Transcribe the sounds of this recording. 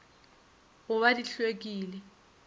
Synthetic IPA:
ɣʊβadiɬwek̬ʼiːlɛ

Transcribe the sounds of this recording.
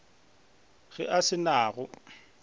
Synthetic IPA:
ɣɪʔasɪnaːɣʊ

